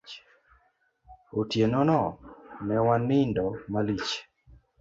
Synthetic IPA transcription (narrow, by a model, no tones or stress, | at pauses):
otjenɔnɔnɛwanɪndɔmalit͡ʃ